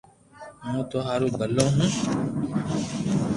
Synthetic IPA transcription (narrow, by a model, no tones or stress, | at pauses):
mũːt̪oɦaːɾũːɡəlːõːɦũː